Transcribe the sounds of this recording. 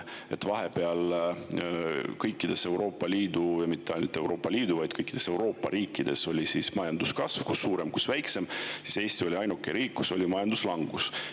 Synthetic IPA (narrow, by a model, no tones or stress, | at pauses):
e̞t̪ːˑvɑɦe̞pe̞ɑl | kɤjkːid̪̥e̞se̞wɾo̞ːpːˑɑliːd̪̥ujɑmit̪ːeɑjnut̪ːˑe̞wɾo̞ːpːˑɑliːd̪uvɑjd̪̥kɤjkːˑid̪̥e̞se̞wɾo̞ːpːˑɑ̰ɾiːkːˑid̪̥e̞so̞lʲisismɑjɑnd̪uskɑsv̥kusːuːɾe̞mku̥svæjkse̞msise̞ːst̪io̞lʲiɑjnukːˑeɾiːkːuso̞lʲimɑjɑnd̪̥uslɑŋɡ̥us